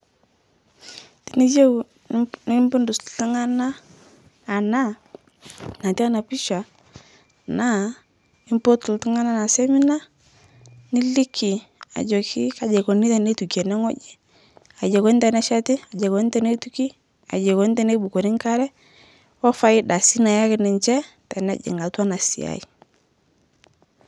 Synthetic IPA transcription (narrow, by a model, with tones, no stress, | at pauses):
ti˨ni˦d͡ʒe˦w | ni˦mbu˦ndu˨sti˦ŋa˦naː˦˨ | na˦ | na˨ti˦a˦na˨pi˦ʃa˨ | na˦ | ni˦mpo˦tu˨lti˦ŋa˦na˦na˨se˦mi˦na˦ | ni˦li˦kʰːi˨a̰˨d͡ʒo˨kʰi˦ka˨d͡ʒe˨ko˨ni˦ta˨ne˦tu˨ke˨nɛ˦ŋɔ˦d͡ʒi˦ | a˨d͡ʒe˨ko˦ni˦ta˨na˦ʃa˦ti˦a˨d͡ʒe˨ko˨n˦te˦ne˦tu˦ki˦ | a̰˨d͡ʒe˨ko˨˦ni˦te˦ne˦bu˨ko˨ni˦ŋka˦ɾɛ˦ | wɔ˦fa˦ji˦da˨si˦na˨ja˦kɪ˦nɛ˨ɲt͡ʃɛ˦ | ta˨na̰˦d͡ʒɪ̰˨ŋɡa˨tu˦a˦na˨sḭ˨a̰˨i˨